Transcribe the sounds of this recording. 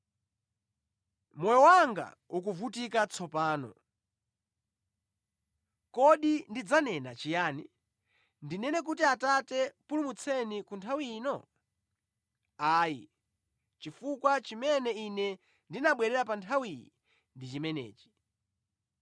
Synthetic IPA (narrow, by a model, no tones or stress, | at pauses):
mɔjɔwaŋɡa̰ | uk̬uvutikat͡sʰɔpaːnɔ̰ | kɔɗindid͡zanɛnat͡ʃijaːni | ndinɛnɛk̬utiatatɛpulumut͡sʰɛnikuntʰawiːnɔ | aːjḭ | t͡ʃifukwat͡ʃimɛnɛinɛ | ndinaɓwɛɾɛɾapantʰawijḭ | ndit͡ʃimɛnɛ̰ːt͡ʃi̥